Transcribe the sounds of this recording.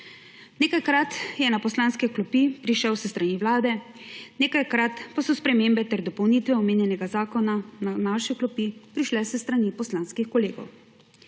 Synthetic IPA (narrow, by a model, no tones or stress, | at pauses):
neːkajkɾat̪jɛnapɔslaːnskɛklɔpipɾiʃɛwsɛst̪ɾaniʋlaːd̪ɛ | neːkajkɾat̪pasɔspɾɛmeːmbɛt̪ɛɾd̪ɔpɔwniːt̪ʋɛɔmeːnjɛnɛɡazaːkɔnananaʃɛklɔpipɾiʃlɛsɛst̪ɾanipɔslaːnskixkɔleːɡɔ̰w